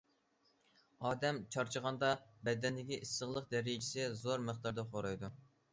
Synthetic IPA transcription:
ɑːd̪ɛmt͡ʃʰɑɾt͡ʃʰəʁɑnd̪ɑbɛd̪ɛnd̪ɪkʲiʔisːəʁlˠəq̚d̪ɛɾɪjt͡ʃʰi̥sɪzoɾməχt̪ɑɾd̪ɑqʰoɾɑjd̪u

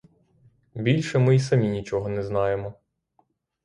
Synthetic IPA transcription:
bʲilʲʃɛmɪisɐmʲinʲit͡ʃɔɦɔnɛznɑjemɔ

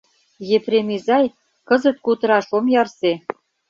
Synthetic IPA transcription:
jepremizɑj | kɤ̆zə̆t̪̚kut̪ə̆ɾɑʃomjɑrse

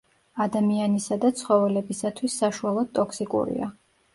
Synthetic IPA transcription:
ad̪amianisad̪at̪sʰχɔvɛlɛbisat̪ʰwisːaʃualˠɔd̪̥̚t̪ʼɔkʰsikʼṵɾḭa̰

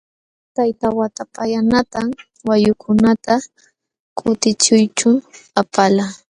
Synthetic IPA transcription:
t̪ajt̪awat̪apajanat̪a | wajʊkʰʊnat̪a | kʰʼʊt̪ɪt͡ʃʊjt͡ʃʊapala

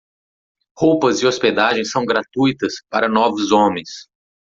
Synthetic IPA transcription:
howpɐzɪosped̪aʒẽj̃sɐ̃w̃ɡɾat̪ujt̪ɐspaɾɐnɔvʊzõmẽj̃s

